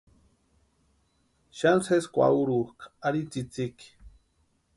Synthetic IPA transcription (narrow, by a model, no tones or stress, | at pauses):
ʃanseskʷa̰uɾukaɾit͡sit͡sik